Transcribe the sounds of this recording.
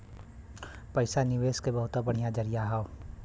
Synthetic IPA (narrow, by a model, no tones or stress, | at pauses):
pəɪsanɪʋeːskebɐɦʊt̪abɐɽ̤ijad͡ʒəɾijaɦaːo